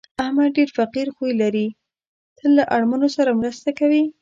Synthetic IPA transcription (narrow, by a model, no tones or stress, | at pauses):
ahmad̪̚ɖeɾfaqiɾxujlaɾi | t̪ʰəlːaʔaɽmanosaɾamɾəst̪akawi